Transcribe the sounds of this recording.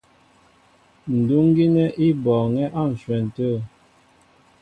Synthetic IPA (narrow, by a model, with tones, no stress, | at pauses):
n̩˨du˦ŋ˦ɡi˦nɛ˦ʔi˦bɔː˨ŋɛ˦ʔa˦˨n̩˨swɛ˨n̩˨tə˦˨